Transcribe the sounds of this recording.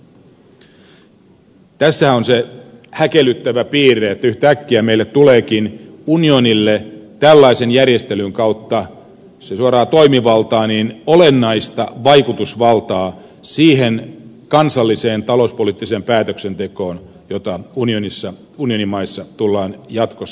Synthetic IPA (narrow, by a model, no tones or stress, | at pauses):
t̪æsːæhæonsehækelːˑyt̪ːæʋæpiːreet̪ːæyht̪æækːiæmeilːet̪t̪uleːkinunionilːet̪ælːɑisenjærjest̪elyŋkɑut̪ːɑ | sesuoɾɑːt̪oimiʋɑlt̪ɑːniːnolenːɑist̪ɑʋɑikut̪usʋɑlt̪ɑː | siːhen | kɑnsɑlːiseːnt̪ɑlouspoliːt̪ːiseːmpæːt̪øksent̪eko̞ːn | jot̪ɑunionisːɑ | unio̞nimɑisːɑt̪ulːɑːnjɑt̪kosː